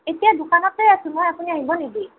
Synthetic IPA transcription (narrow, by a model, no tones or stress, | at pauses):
etijadukanɔtlojasumojapuniaɦibɔneɡi